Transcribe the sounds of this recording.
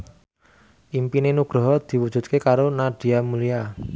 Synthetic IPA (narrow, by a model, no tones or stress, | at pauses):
ʔimpinenuɡ̥ɾɔ̤ɦɔd̪̥i̤wud̥ʒ̥ṳt̪̚kekaɾonaɖ̥i̤amulia